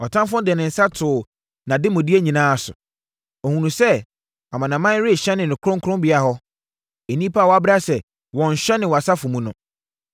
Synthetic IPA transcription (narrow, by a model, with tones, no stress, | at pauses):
ɔ˨tʰã˦mfʊ̃˦dɛ˨nɪ̃˨n̩˨sa˦tʰʊː˨ | nã˨dɪ˦mʊ̃˨di˦e˦ɲĩ˨nãː˦a˨sʊ̰˨ | ɔ˨hũ˨nũ˨sɛ˦ | a˨mã˨nã˨mã˦n˦ɾɪ˦˨ɕɛ˦nɪ̃˨nɪ̃˨kʰɾʊ̃˦ŋ˦kʰʊɾʊ̃˦mbɪ˨a˨ɦɔ˦ | e˨nĩ˦pʰa˦˨wɔ˨a˦bɾa˦sɛ˨ | wɔ̃˨ɲ̩˨ɕᶣɛ˦nɪ̃˨wɔ˨a˨sa˦fʊ̃˨mũ˦nʊ̰̃˨